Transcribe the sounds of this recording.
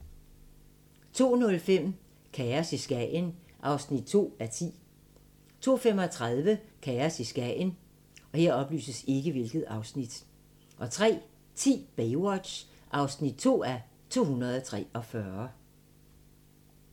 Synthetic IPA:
t͡sʰo̝̰ːnɔ̽lfem̰ | kʰææɐsisɡ̥ɛn | ʔɑ̈ʊsnid̥̚t͡sʰo̝̰ːæɐt͡sʰḭː | t͡sʰo̝̰ːfem̰ɒ̽t͡sʰʁað̞ˠʋəkʰææɐsisɡ̥ɛn | ɒ̽he̝ɐ̰ɒ̽b̥ly̰ːsəse̝ɡ̥əʋe̝lɡ̥ð̩ˠɑ̈ʊsnid̥ | ʔɒ̽t͡sʰʁɛ̰ː | t͡sʰḭːb̥ewɒ̥ɕ | ʔɑ̈ʊsnid̥̚t͡sʰo̝̰ːæɐ | t͡sʰo̝̰ːhunɐðˠt͡sʰʁɛ̰ːɒ̽fɶɐ

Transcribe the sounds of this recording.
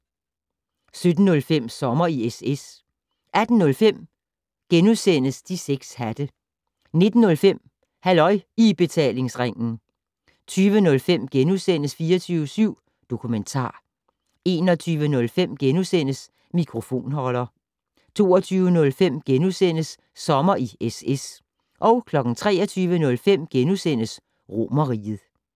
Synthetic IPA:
sød̥n̩ːɔ̽lfem̰sɒ̽mɐieses | ʔæd̥n̩nɔ̽lfem̰ | ɡ̥enusen̰əsd̥iseɡ̥shæd̥ə | ne̝d̥n̩ːɔ̽lfem̰ | hælɒ̽ɪib̥e̝t͡sʰɛ̰ːle̝ŋsʁaŋ̰n̩ | t͡sʰyːʋənɔ̽lfem̰ɡ̥enusen̰əsfiːɐt͡sʰyːʊəsyʊ̰ | d̥o̝kʰument͡sʰɑ̰̈ː | e̝ːnɒ̽t͡sʰyːʋənɔ̽lfem̰ɡ̥enusen̰əs | mikʰʁo̝fo̝̰ːnɦɒ̽lɐ | t͡sʰo̝̰ːɐt͡sʰyːʊənɔ̽lfem̰ɡ̥enusen̰əsː | ɒ̽mɐʔieses | ʔɒ̽ʊkʰlɒ̽ɡ̥n̩t͡sʰʁɛ̰ːɐt͡sʰyːʋənɔ̽lfem̰ɡ̥enusen̰əs | ʁo̝mɐʁḭð̩ˠ

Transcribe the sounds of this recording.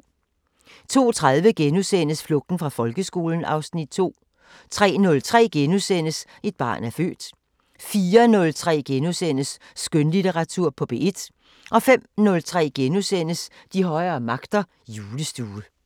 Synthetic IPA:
t͡sʰo̝̰ːt͡sʰʁaðˠʋəɡ̥enusen̰əsflɔ̽ɡ̥̚d̥n̩fʁɑ̈fɒ̽lɡ̥əsɡ̥o̝̰ːln̩ɑ̈ʊsnid̥̚t͡sʰo̝̰ː | t͡sʰʁɛ̰ːnɔ̽lt͡sʰʁɛ̰ːɡ̥enusen̰əs | e̝d̥̚b̥ɑ̰̈ːnæɐfø̰ːd̥ | fiːɐnɔ̽lt͡sʰʁɛ̰ːɡ̥enusen̰əsː | ɡ̥ønlit͡seʁɑ̈t͡sʰuɐ̰pʰɒ̽b̥e̝ed̥ | ʔɒ̽fem̰nɔ̽lt͡sʰʁɛ̰ːɡ̥enusen̰əsd̥ihɒ̽ɪɐːmɑ̈ɡ̥d̥ɐ | juːləsd̥uːə

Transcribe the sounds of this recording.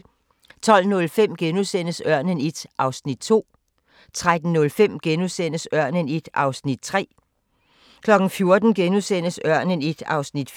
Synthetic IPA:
t͡sʰɒ̽l̰nɔ̽lfem̰ɡ̥enusen̰əsɶɐ̰nənid̥ʔɑ̈ʊsnid̥̚t͡sʰo̝̰ː | t͡sʰʁad̥n̩ːɔ̽lfem̰ɡ̥enusen̰əsɶɐ̰nənid̥ɑ̈ʊsnid̥̚t͡sʰʁɛ̰ː | kʰlɒ̽ɡ̥n̩fjo̝ɐd̥n̩ɡ̥enusen̰əsɶɐ̰nənid̥ɑ̈ʊsnid̥f

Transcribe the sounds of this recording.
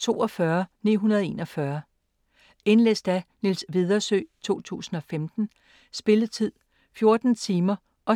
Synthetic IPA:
t͡sʰo̝̰ːɒ̽fɶɐnḭːɦunɐð̞ˠe̝̰ːnɒ̽fɶɐ | e̝nlḛsd̥ænilsʋið̞ˠɐsø̰ːt͡sʰo̝̰ːt͡sʰṵːsn̩ɒ̽femd̥n̩ | sb̥e̝lət͡sʰið̰ˠ | fjo̝ɐd̥n̩t͡sʰiːmɐ | ʔɒ̽

